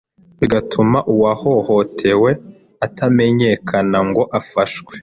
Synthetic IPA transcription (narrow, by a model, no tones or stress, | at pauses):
βiɡatʰumaʔuwaho̞ho̞tʰe̞we̞ | atʰame̞ɲe̞kʰanaŋɡo̞ʔafaʃwe̥